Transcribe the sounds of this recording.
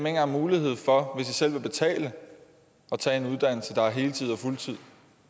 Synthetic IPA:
meŋ̰ɐæmuːlihe̝ð̞̰ˠfɒ̽ʋe̝sisel̰ʋe̝b̥e̝t͡sʰɛ̰ːlə | ʔɒ̽t͡sʰɛ̰ːe̝nuð̞ˠd̥æn̰l̩səd̥ɑ̈æɐɦe̝ːlət͡sʰið̞̰ˠɒ̽fult͡sʰið̞̰ˠ

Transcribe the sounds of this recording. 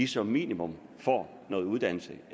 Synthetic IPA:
isɒ̽mːḭːnimɔ̽mfɒ̰ | nɔ̽ːð̩ˠuð̞ˠd̥æn̰l̩sə

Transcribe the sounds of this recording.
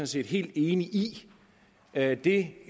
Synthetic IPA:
ɔ̽nse̝̰ːd̥ɦe̝̰ːld̥e̝ːniʔi | ød̥e̝

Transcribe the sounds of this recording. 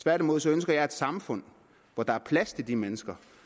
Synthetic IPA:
t͡sʰʋæɐɾ̥imo̝ð̞̰ˠsɒ̽ønsɡ̥ɐjɑ̈ɪe̝d̥sɑ̈mfɔ̽n̰ | ʋɒd̥ɑ̈æɐpʰlæst͡sʰe̝ld̥imenəsɡ̥ɐ

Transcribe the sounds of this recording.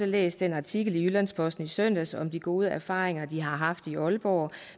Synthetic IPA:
əlḛːsd̥enɑ̈t͡sʰiɡ̥l̩iylænspʰɒ̽sd̥n̩isøn̰d̥æsɒ̽md̥iɡ̥o̝ːð̞ˠəæɐfɑ̈ːʁeŋɐd̥iɦɑ̈ɦɑ̈fd̥iɒ̽lb̥ɒ̰ː

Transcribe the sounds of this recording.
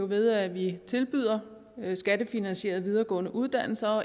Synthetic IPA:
oʋe̝ðˠæʋit͡sʰe̝lb̥y̰ð̰ˠɐ | sɡ̥æd̥əfinænɕe̝̰ːɐðˠʋið̞ˠɐɡ̥ɔ̰̽ːnəʔuð̞ˠd̥æn̰l̩sɐɒ̽

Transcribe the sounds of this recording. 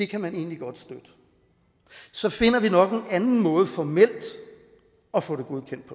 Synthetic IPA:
de̝kʰæmæne̝̰ːnliɡ̥ɒ̽d̥sd̥ød̥ə | sɒ̽fe̝n̰ɐʋinɒ̽ɡ̥e̝nænn̩mɔ̽ːð̩ˠəfɒmel̰d̥ | ɒ̽fɔ̽ɾ̥e̝ɡ̥uðˠkʰen̰d̥̚pʰɒ

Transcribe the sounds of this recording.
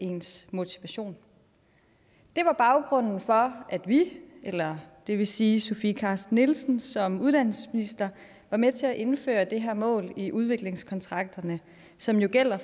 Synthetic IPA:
e̝nsmo̝t͡sʰi̥ʋæɕo̝̰ːn | d̥e̝ʋɑ̈b̥ɑ̈ʊɡ̥ʁɔ̽n̰n̩fɒ̽ʔæd̥ʋielɐd̥e̝ʋe̝siːso̝fiːkʰɑ̈ːsd̥nelsn̩sɒ̽muð̞ˠd̥æn̰səsminisd̥ɐ | ʋɑ̈met͡sʰe̝æʔe̝nfø̰ːɐd̥e̝ɦæɐ̰mɔ̰̽ːliʔuð̞ˠʋe̝ɡ̥le̝ŋskʰɒ̽nt͡sʰʁɑ̈ɡ̥̚d̥ɐnə | sɒ̽mjo̝ɡ̥el̰ɐ

